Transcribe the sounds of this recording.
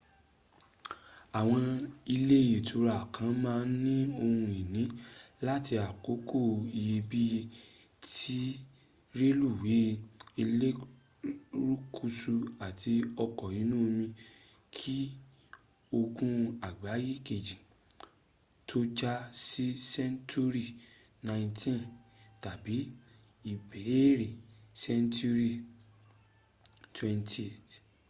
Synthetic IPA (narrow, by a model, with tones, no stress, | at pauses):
a˨w̃ɔ̃˧i˧le˦je˨tu˧ɾa˨kʰã˨˦mãː˦˧˦nĩ˦o˧hũ˧e˨nĩ˨˦la˦ti˧a˨ko˨˦ko˦˨i˧je˧bi˦je˧ | tʰi˦ | ɾe˦lu˦˨wi˨˦i˧le˦ | ɾu˦kʰu˦˧su˧a˨ti˧ɔ˧kɔ˨jĩ˨˦nũ˦˧mĩ˧ | kʰi˦ | o˧ɡũ˦a˨ɡ͡ba˨˦ji˦ke˨d͡ʒĩ˨ | tʰo˦d͡ʒa˦si˦sɛ˦ntu˦ɾi˦˨ | nã˨˧j̃tʰĩ˦nta˨bi˨˦ | i˨bɛ˨e˦ɾe˨sɛ˦ntu˦ɾi˦˨ | twɛ̃˧nti˦e˨t